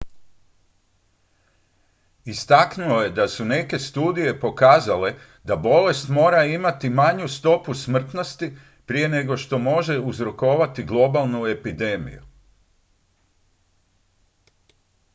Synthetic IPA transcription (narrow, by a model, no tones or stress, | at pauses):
ist̪aknuo̞je̞d̪asune̞ke̞st̪uːd̪ije̞po̞kaːzale̞ | d̪abo̞le̞st̪mo̞ːɾaimat̪imaɲust̪o̞pusmr̩t̪no̞st̪i | pɾije̞ne̞ɡo̞ʃt̪o̞mo̞ʒe̞uzɾo̞ko̞ːʋat̪iɡlˠo̞balˠnue̞pid̪e̞ːmḭjṵ